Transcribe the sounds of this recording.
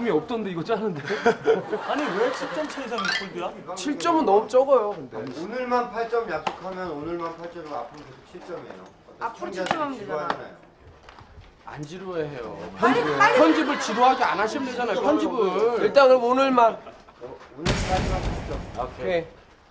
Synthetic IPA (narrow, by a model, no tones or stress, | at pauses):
umiʌp̚t͈ʌndeiɡʌt͡ɕ͈anɯnde | aɲiwet͡ɕʰiɭt͡ɕ͈ʌmt͡ɕʰesʰaŋk͈ʰuɭdiɾat͡ɕʰiɭt͡ɕ͈ʌmɯnːʌmut͡ɕ͈ʌɡʌjokɯndeonɯɭmanpʰaɭt͡ɕ͈ʌmjak̚s͈okʰamjʌnonɯɭmanpʰaɭt͡ɕ͈ʌmiapʰɯɾokesʰot͡ɕʰiɭt͡ɕ͈ʌmḛjo̰ | apʰɯɾot͡ɕiɭt͡ɕ͈ʌmɦanded͡ʑaanajo | a̰nd͡ʑiɾojaɦe̞jo̰ʌnkʰʌnd͡ʑibɯɭt͡ɕiɾoɦaɡianaɕʰimded͡ʑanajoʌnd͡ʑibɯiɭt͈aŋɯonɯɭman | onɯaɾimat͡ɕʰit͡ɕ͈ʌmʰe